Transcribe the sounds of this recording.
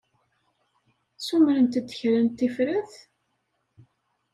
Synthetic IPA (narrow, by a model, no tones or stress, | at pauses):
sumɾənt̪d̪ːə̥çɾənt̪ːifɾæθ